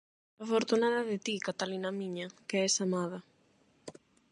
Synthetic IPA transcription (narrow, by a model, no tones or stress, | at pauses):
afoɾt̪unaðɐðɪt̪ikat̪alinamiɲakeɛsamaðɐ